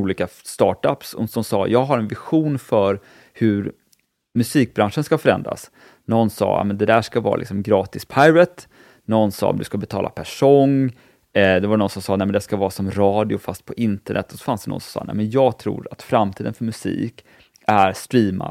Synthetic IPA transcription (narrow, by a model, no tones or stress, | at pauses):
uːliːkast̪ɑːʈapsɔsɔmsɑ̰ːjʔɑːɡɦaɾɛnvɪɧuːnfœɾ | hɵɾ | mɵsiːk̚bɾanʂənskafœɾɛnd̪ɾa̰s | nɔnːsɑ̰ːjɑ̰mɛnd̪ɛd̪æːʂkavɑ̰ːɾalɪ̰ksɔmɡɾɑːt̪ɪspʰajɾət̪ | nɔnːsɑ̰ːd̪ɵ̟skabɛt̪ʰɑːla̰pʰæʂɔŋː | d̪ɛvadnɔnsɔmsɑːnɛɪmɛnd̪ɛskavɑːɾsɔmɾɑːd̪ɪʊfast̪̚pʰɔʔɪnt̪əɳʔɛ̰t̪ːɔsɔ̥fansd̪ɛnɔ̰nsɔmsɑ̰ːnɛ̰ɪmɛnjɑːɡt̪ʰɾṵːɾat̪fɾamt̪ʰiːd̪ənfœɾmɵsḭːk | æɾst̪ɾiːma̰